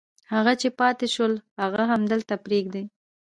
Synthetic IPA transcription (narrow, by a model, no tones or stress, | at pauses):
haɣat͡ʃepɑt̪eʃəlhaɣaɦamd̪əlt̪apɾeɡd̪e